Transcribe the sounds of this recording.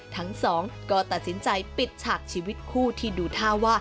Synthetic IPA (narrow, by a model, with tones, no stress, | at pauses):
t̪ʰa˦˥ŋsɔː˩˦ŋkɔː˥˩t̪a˨˩t̪̚si˩˦nt͡ɕa˧jpi˨˩t̪̚t͡ɕʰaː˨˩k̚t͡ɕʰiː˧wi˦˥t̪̚kʰuː˥˩t̪ʰiː˥˩duː˧t̪ʰaː˥˩waː˥˩